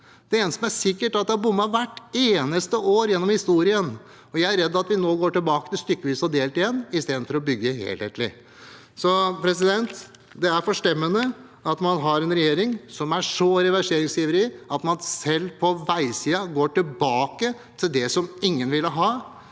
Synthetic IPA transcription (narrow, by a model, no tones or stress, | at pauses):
d̪̥ɛeːnəsɔmæʂɪkːəʈɑt̪d̪ɛhɑɾbʊmːɑʋæʈːeːnəst̪əʔoːɾjɛnːɔmhɪst̪uːɾɪən | ɔjæɪæɾɛd̪ːɑt̪ʋɪnoːɡoːʈɪlbɑːkət̪ɪlst̪ʏkːəʋiːsɔd̪eːlt̪ɪjɛnːɪst̪eːd̪n̩fɔɾɔbʏɡːəhḛːlhḛːt̪lɪ̰ | sɔpʰɾɛsɪd̪ɛnt̪ | d̪ɛæɾfɔʂʈɛmːənə | ɑt̪mɑnɦɑɾɛnɾɛjeːɾɪŋsɔmæʂɔɾɛʋæʂeːɾɪŋsiːʋəɾɪʔɑt̪mɑnsɛlːpʰɔʋæɪsiːɑɡoːʈɪlbɑːkə | t̪ʰɪld̪ɛsɔmɪŋːənʋɪlːəɦɑː